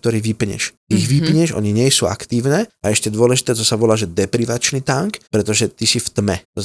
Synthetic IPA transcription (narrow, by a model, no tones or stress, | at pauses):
kt̪ɔɾiːʋipɲɛ̰ʃ | iɣʋipɲɛʒɔ̰ɲiɲɪɛjsuːa̰kt̪iːʊnɛːaɛʃcɛd̪ʊɔlɛʒit̪ɛːt̪ɔsaʋɔlaːʒɛd̪ɛpɾiʋat͡ʃnit̪aŋkpɾɛt̪ɔʒɛt̪isift̪mɛt̪ɔ